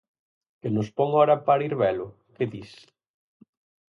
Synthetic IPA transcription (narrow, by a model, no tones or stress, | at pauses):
kenʊspɔŋɔɾɐpaɾiɾβɛlʊ | keðis